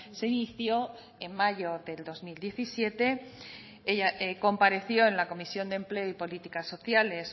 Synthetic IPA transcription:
se̞iniθjo̞ | e̞mːaʝo̞ðe̞ld̪o̞zmild̪je̞θisje̞t̪e̞ | eʝaʔeko̞mpaɾe̞θjo̞enlako̞misjo̞nd̪e̞mple̞oipo̞lit̪ikasːo̞θjale̞s

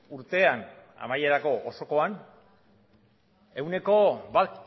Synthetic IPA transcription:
uɾt̪e̞an | a̰maje̞ɾako̞ʔoso̞ko̞an | e̞wneko̞bat̪

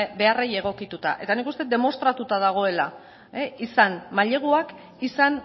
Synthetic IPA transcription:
be̞areje̞ɣ̞o̞kit̪ut̪a̰ʔe̞t̪anikust̪e̞d̪e̞mo̞st̪ɾat̪ut̪að̞aɣ̞o̞e̞la | eisanmaʎe̞ɣ̞uak | isan

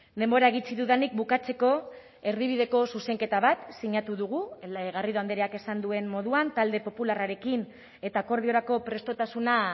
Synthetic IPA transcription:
d̪e̞mbo̞ɾaeɣ̞it͡siðuðenik̚bukat͡se̞ko̞ | e̞ɾðiβ̞iðe̞ko̞suse̞ŋke̞t̪aβat̪siɲat̪uðuɣ̞uɣariðoand̪eɾeake̞sand̪ue̞nmo̞ðuant̪ald̪e̞po̞pularaɾe̞kin | e̞t̪aːko̞ɾð̞io̞ɾako̞pɾe̞st̪o̞t̪asuna

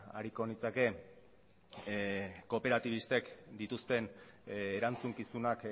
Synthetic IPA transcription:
a̰ɾiko̞nit͡sake̞ | ko̞pe̞ɾat̪iβ̞ist̪e̞kd̪it̪ust̪e̞neɾant͡suŋkisunak

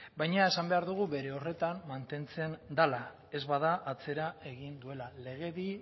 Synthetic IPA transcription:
bajɲae̞sambe̞aɾðuɣ̞uβe̞ɾe̞o̞re̞t̪ammant̪e̞nt͡se̞nd̪ala | e̞zβaðaʔːt͡se̞ɾae̞ɣind̪ue̞lale̞ɣ̞e̞ði

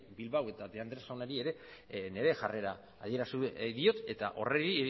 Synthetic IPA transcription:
bilβawe̞t̪adðe̞and̪ɾesawnaɾie̞ɾe̞ne̞ɾe̞xare̞ɾaː | ðie̞ɾast̪uðio̞t̪e̞t̪aʔo̞̰reɾi

